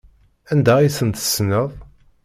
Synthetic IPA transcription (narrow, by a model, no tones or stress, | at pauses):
ænd̪æisənt̪ə̥snəðˤ